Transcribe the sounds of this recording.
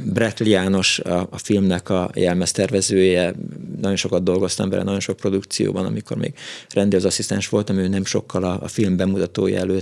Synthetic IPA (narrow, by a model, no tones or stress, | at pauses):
brɛk̪liaːno̞ʃɒːfilmnɛkɒjɛlmɛst̪ɛrvɛzøːjɛnɒjo̞nʃo̞kɒd̪d̪o̞lɡo̞st̪ɒmvɛ̰lɛ̰nɒjo̞nʃo̞k̚pro̞d̪ukt̪sijo̰ːbɒnɒ̰miko̞rmeːɡ̥rɛnd̪ezɒsist̪ɛnʃʋo̞lt̪ɒmøːnɛmʃo̞kːɒlɒ̰ːfilmbɛmut̪ɒt̪oːj̰ɛløː